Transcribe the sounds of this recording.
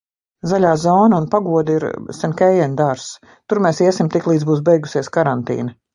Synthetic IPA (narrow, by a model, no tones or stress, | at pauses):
zalʲaːzɔːnaunpaɡuɔd̪iɾsɛnkʲɛjɛnʲd̪aɾs | t̪uɾmeːsiɛsimt̪iklˠiːd̪zbuːs̬bɛjɡusiɛskaɾant̪ḭːnɐ